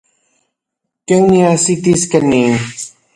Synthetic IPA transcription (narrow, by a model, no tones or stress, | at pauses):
kewniasit̪iskani